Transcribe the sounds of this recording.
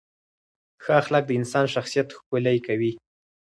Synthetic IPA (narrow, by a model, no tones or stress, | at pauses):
xɑxalak̚d̪əɪnsɑnʃaxsijat̪xkolajkawi